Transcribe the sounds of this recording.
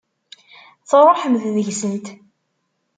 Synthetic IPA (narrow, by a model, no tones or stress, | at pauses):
θərˤoħəmððəʝsənt̪